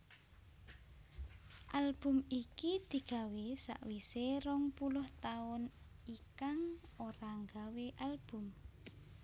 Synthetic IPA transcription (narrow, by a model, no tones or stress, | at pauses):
ʔalb̥umikid̪̥i̤ɡ̥a̤wesa̰ʔwiseɾɔŋpulʊht̪aʊn | ikaŋoɾaŋɡaweʔalb̥ʊ̤m